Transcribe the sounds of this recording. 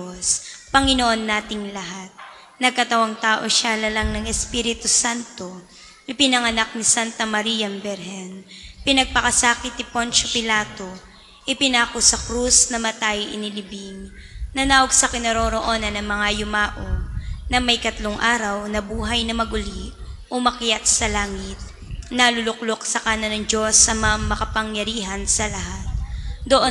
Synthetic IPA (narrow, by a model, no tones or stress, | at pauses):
ospɐŋɪnoʔo̞nːaːt̪ɪŋlɐɦat̪̚ | nɐɡ̚kɐt̪ɐwɐŋt̪aːʔo̞ʃalɐlɐŋnɐŋɛspiːɾɪt̪usant̪o̞ | ʔɪpɪnɐŋɐnak̚nisant̪ɐmɐɾijɐmbɛɾɦɛnpɪnɐɡ̚pɐkɐsaːkɪt̪̚nɪpo̞nt͡ʃopɪlaːt̪o̞ | ʔɪpɪnaːkosɐkɾusnɐmɐt̪ajʔɪ̰nɪlɪbiŋ | nɐnaːwoɡsɐkɪnɐɾoːɾoʔo̞nɐnɐŋmɐŋajʊmaːʔonɐmɐjkɐt̪loŋʔaːɾɐwnɐbuːɦɐjnɐmɐɡʊliʔʔomɐkjat̪̚sɐlaːŋɪt̪̚ | nɐlʊlʊk̚loksɐkaːnɐnɐŋd͡ʒo̞sɐmɐŋamɐkɐpɐŋjɐɾiːɦɐnsɐlɐɦat̪̚d̪oʔo